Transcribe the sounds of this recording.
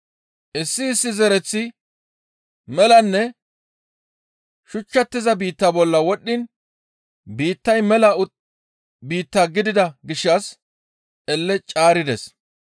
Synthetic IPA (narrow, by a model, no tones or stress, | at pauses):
ʔɪsːɪːsːɪzɛɾɛt͡sːɪ | mɛlɐnːɛ | ʃʊt͡ʃːɐt̪ːɪzɐbiːt̪ːaːbɔlːɐwɔɗːɪn | biːt̪ːɐjmɛlɐʊ | biːt̪ːaːɡɪd̪ɪd̪ɐɡɪʃːɐs | ʔɛlːɛt͡ʃʼaːɾɪd̪ɛs